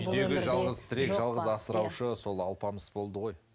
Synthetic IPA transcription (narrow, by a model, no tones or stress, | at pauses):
ʏjd̪e̞ɡʲɪʒɑlˠʁəzt̪ʰɪɾe̞kʒɑlˠʁəzɑsəɾɑwʃəso̞lˠɑlˠpɑməsb̥o̞lˠd̪əʁo̞j